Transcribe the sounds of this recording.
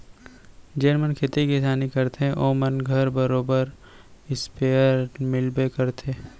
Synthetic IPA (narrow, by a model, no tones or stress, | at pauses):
d͡ʒəɾmənkʰet̪ikisaːnikɐɾt̪ʰeʔoːmənɡʱɐɾbɐɾoːbəɾ | ɪspeːəɾmɪlbekɐɾt̪ʰeː